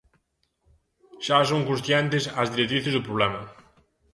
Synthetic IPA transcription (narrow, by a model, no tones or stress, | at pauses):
ʃasõŋkũnsθjɛnt̪ɪsɐzðiɾet̪ɾiθɪzðʊpɾoβlɛmɐ